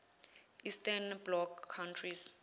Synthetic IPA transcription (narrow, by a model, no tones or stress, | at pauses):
istʰanblɔkʰːawntʰris